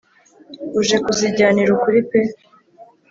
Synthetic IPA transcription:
uʒe̞kuziɟaːniɾukuɾipe

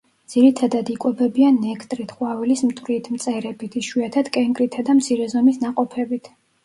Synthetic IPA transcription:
d̪z̥iɾit̪ʰad̪ad̪ikʼwɛbɛbianɛkʰt̪ʼɾit̪ʰχwavɛlismt̪ʼwɾit̪ʰmt̪sʼɛɾɛbit̪ʰiʃwiat̪ʰad̪̥kʼɛŋɡɾit̪ʰad̪amt̪sʰiɾɛzɔmisnaqʼɔpʰɛbit̪ʰ

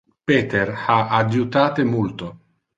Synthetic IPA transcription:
pet̪erhaadjut̪aːt̪emult̪o

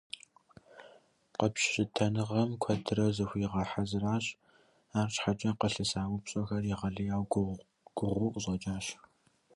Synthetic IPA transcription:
qəpɕɕʼɪtʰɐnɨʁɐmkʷʰɐdʰɨrɐzɨxʷiːʁɐħazɨraːɕʼ | aːrt͡ʃʼħat͡ʃʼɐqəɬɨsaːwʊpɕʼɔxɐriʁɐɮɨjaːw | ɡ̥ʷʊʁʷʊʔʑʼɐt͡ʃʼaːɕ

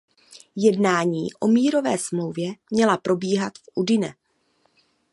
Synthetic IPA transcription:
jɛdnaːɲiːʔo̞miːɾo̞vɛːsmlo̞wvjɛmɲɛlapɾo̞biːɦat̪fʔudɪnɛ

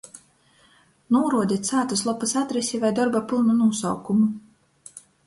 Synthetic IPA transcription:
nuɔɾuɔd̪ʲit̪saːt̪uslˠɔpːɨsat̪ɾesʲivajd̪ɔɾbapɨlˠnunuɔsawkumu

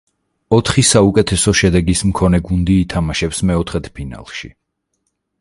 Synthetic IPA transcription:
ɔt̪ʰχisaukʼɛt̪ʰɛsɔʃɛd̪ɛɡismkʰɔnɛɡund̪iːt̪ʰamaʃɛpsmɛɔt̪ʰχɛt̪ʰpʰina̰lˠʃḭ

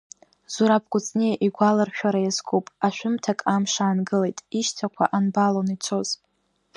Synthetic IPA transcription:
z̥uɾap̚ʰɡʷʼʊt͡sʼnejʔiɡʷalɨrʃᶣaɾajazɡʰopʼaʃᶣʊmtʰakʼamʂaːnɡɨle̞jtʼiʃtʰakʷʰa̰ʔanbalonit͡ʃʷʰo̞z̥

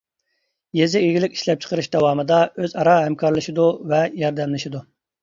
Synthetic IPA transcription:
jezɪiɡʲilɪkʲi̥ʃlɛp̚t͡ʃʰə̥qəɾɨʃd̪ɑwɑːmɨd̪ɑøzɑɾɑɦɛmkʰɑɾlˠɨʃid̪uvɛjɑɾd̪ɛmlɨʃid̪u

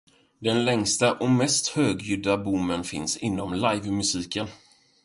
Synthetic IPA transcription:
d̪ɛnlɛŋst̪aʔɔmɛst̪høːɡjʏd̪abumːənfɪ̰nsɪnːɔmlajvmɵsiːkən

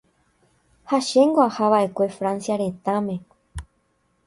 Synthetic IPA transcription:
haʃẽ̞ŋɡoahaʋaʔe̞kʷe̞fɾãnsjaɾe̞t̪ãmẽ̞

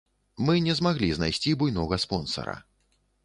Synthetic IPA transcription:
mɨnʲɛzmaɣlʲiznajsʲt͡sʲibujnɔɣɐspɔnsɐ̰ɾɐ̰

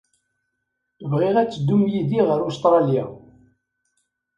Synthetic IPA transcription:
əvʁiʁæt͡sːəd̪ːumjid̪iʁəɾʊst̪ɾˤɑlja̰

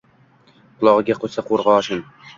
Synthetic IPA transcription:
qʰʊlˠɒʁɨɡʲaqʰosaqʰoɾʁɑɒʃɪn

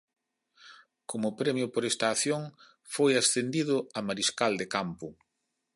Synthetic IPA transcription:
komʊpɾɛmjʊpoɾɛst̪aːθjoŋ | fojasθend̪iðʊamaɾiskald̪ekampʊ

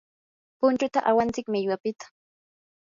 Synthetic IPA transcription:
pʊnt͡ʃʊt̪aʔawant͡sɪkmɪʎwapɪt̪ḁ

